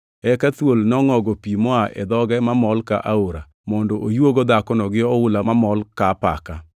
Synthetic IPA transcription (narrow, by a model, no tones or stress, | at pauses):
ɛkat̪wolnɔŋɔɡɔpimɔaʔɛ̰d̪ɔɡɛmamɔlka̰ʔaoɾa | mɔndɔʔojwoɡod̪akɔnɔɡɪɔʊlamamɔlkapa̰ka